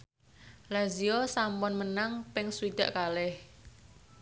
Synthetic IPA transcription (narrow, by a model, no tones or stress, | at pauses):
laziosampɔnmənaŋpɪŋsuwid̪̥ä̤ʔkalɪh